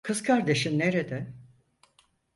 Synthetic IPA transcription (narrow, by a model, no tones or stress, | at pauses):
kʰɯzkʰaɾd̪e̞ʃinneɾed̪ɛ